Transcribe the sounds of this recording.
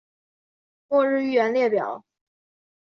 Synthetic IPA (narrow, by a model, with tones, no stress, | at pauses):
kwɔ˥˧ɻɻ̩˥˧y˥˩ɥɛ˧˥nljɛ˥˩pjɑ˨˩˦ʊ